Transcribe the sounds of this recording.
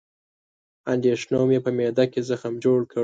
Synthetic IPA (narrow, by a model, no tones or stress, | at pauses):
and̪eʃnɑmjepəmed̪akezəxamd͡ʒoɽkə